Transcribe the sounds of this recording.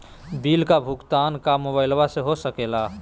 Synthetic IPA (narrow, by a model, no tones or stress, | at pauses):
biːlkabʱʊɡt̪aːnkamoːbaːɪlʋaseɦosəkeːla